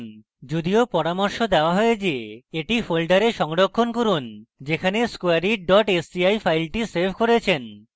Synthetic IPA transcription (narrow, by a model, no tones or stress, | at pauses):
n | d͡ʑod̪iopɔɾamoɾʃod̪ɛoaɦɔed͡ʑeeʈifolɖaɾeʃɔŋɽokʰːonkoɾund͡ʑekʰaneskoaɾiɖɔʈesbiajfʰajlʈiseɾbʱkoɾet͡ɕʰen